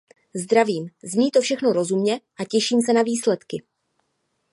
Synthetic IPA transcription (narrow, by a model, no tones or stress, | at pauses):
zd̪ɾaviːmzɲiːt̪ofʃɛxno̞ɾo̞zumɲɛʔacɛʃiːmsɛnaviːslɛt̪kɪ